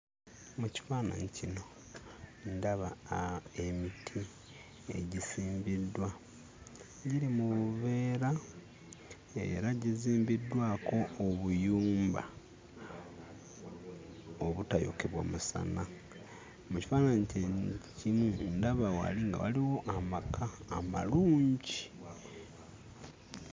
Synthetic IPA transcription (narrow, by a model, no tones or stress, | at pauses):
muci̥faːna̰ɲicino̞ | ndaβae̞mitʰi | e̞̰ɟisiːmbidːwa | ɟiɾimuβuβe̞ːɾa | e̞̰ɾaɟiziːmbidwaːko̞ːβujuːmba̰ | oβutajo̰keβwa̰musa̰na | muci̥faːnaɲcecimundaβawa̰liŋɡa̰wa̰liwo̞ʔamakʰaːma̰luːɲɟi